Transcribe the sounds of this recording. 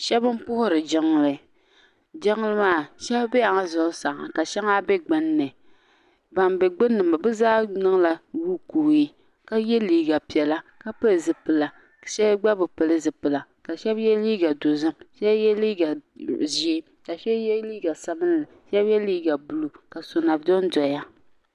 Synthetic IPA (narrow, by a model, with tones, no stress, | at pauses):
ʃɛ˦bɨ˦m˦pʊ˦hʊ˦ɾɨ˨d͡ʒɪ˦ŋː˦lɨ˨ | d͡ʒɪ˦ŋː˦lɨ˦maː˦˨ʃɛ˦bbɛ˦ja˨ŋa˦zʊ˨˦sa˨ŋa˨ka˨ʃɛ˦ŋa˦bɛ˦ɡ͡bɨ˦nːɨ˨ | ba˨mbɛ˨ɡ͡bɨ˦nːɨ˨ma˨bɨ˦zaː˦nɨ˦ŋ˦la˨wu˦ku˨i˦ | ka˦jɛ˦liː˦ɡa˨pi˨ɛ˨la˦ka˦pɨ˦lɨ˨zɨ˨pɨ˨la˨ | ʃɛ˦ɡ͡ba˦bɨ˨pɨ˨lɨ˦zɨ˨pɨ˨la˨ | ka˨ʃɛ˦bjɛ˦liː˦ɡa˨do˨zɨ˦mʃɛ˦jɛ˦liː˦ɡa˨ʒi˦e˦ | ka˨ʃɛ˦jɛ˦liː˦ɡa˨sa˨bɨ˦n˦lɨ˨ʃɛ˦bjɛ˦liː˦ɡa˨bu˨lu˨ka˨so˨na˨bdɔ˦n˦dɔ˨ja˦